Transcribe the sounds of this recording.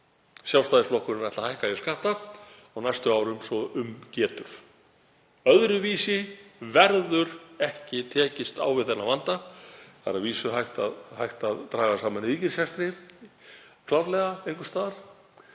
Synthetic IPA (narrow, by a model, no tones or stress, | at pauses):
sjawst̪aːðɪflɔhkʏɾɪnajht̪ahajhkajɛskaht̪a | ɔɣnajst̪ʏawɾʏmsɔʏmcɛːt̪ʏɾ̥ | œðɾʏviːsɪvɛɾðʏɾɛhcɪt̪ʰɛːcɪst̪a̰wvɪðθɛnːavant̪aθa̰ɾaviːsʏɦajht̪a̰ðhajht̪aðt̪ɾaːɣasaːmanviːcɪɾ̥sjɛst̪ɾɪ | kʰlawɾlɛɣaejŋkʏ̥st̪aːðaɾ̥